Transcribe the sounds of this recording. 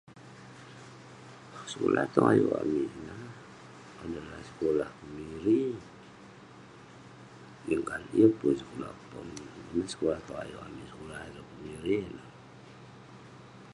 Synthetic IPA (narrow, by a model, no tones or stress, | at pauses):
sə̥kola̰ht̪ɔŋajṵa̰miʔna | adalahsə̥kolahkəmiɾi | jəŋkanḭjəpunsə̥kola̰pɔnmasə̥kolaht̪ɔa̰juʔa̰misə̥kolaɾəkəmiɾina